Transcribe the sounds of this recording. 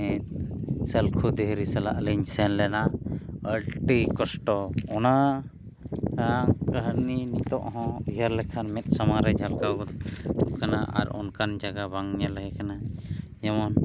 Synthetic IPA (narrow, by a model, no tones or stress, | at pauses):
ɛt̪̚sɛlkʰud̪ɛɦɾisala̰ʔliɲsɛnlɛnaəlʈikɔsʈɔɔna | akəɦɾninit̪ɔʔɦɔ̃iɦəɾlɛkʰanmɛt̪̚ˀsamaɾɛd͡ʒʱalkawɡɔukanaʔa̰ɾɔ̰nkand͡ʒaɡabaŋɲalɛɦɛkana | jamɔn